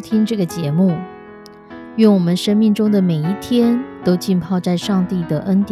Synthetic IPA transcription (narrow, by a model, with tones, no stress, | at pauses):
t̪ʰi˥ŋʈ͡ʂɤ˥˩ɡə˩t͡ɕjɛ˧˥mu˥˩ | ɥɛ˥˩nwɔ˨˩mə˦nʂə˥nmi˥˩ŋʈ͡ʂʊ˥ŋd̪ə˨me˨˩ɪi˥˩t̪ʰjɛ˥nt̪o˥ʊt͡ɕi˥˧npʰɑ˥˧ʊt͡sa˥˧ɪʂɑ˥˧ŋt̪i˥˩d̪ə˩ʔə˥nt̪j